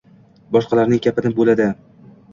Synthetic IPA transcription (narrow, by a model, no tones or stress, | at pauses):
bɒʃqɑlaɾnɪŋɡʲapʰɪnɪbolad̪ɪ